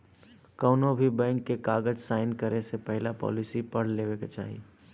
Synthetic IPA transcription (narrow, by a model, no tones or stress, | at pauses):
kɔːnobʱibɛ̃ːŋkːekaːɡəd͡ʒsaːɪnkəɾesepɛɦɪlapɔ̰ːlɪsipɐɽ̤leːʋeket͡ʃa̰ːɦḭ